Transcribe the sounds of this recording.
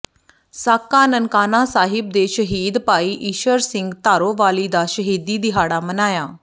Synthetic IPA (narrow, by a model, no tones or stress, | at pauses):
saːkːaːnənkaːnaːsaːɦɪb̚d̪eːʃəɦiːd̪paːiːʔiːʃəɾsɪŋɡt̪aːɾoːʋaːliːd̪aːʃəɦiːd̪iːd̪ɪɦaːɽaːmənaːjaː